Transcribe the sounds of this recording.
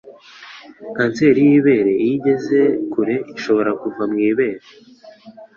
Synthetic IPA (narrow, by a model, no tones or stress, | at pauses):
kaːnseɾijiβe̞ːɾe̞iɟe̞ze̞kuɾe̞iʃo̞βo̞ɾakuvamŋiːβe̞ːɾe